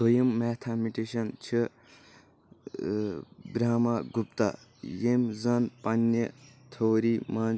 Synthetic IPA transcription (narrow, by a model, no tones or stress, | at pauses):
sojɐmːeːt̪ʰamiʈeʃɐnt͡ʃʰi | bɾaːmaɡupt̪a̰ | jemzɐnpɐnːet̪ʰoːɾimɐn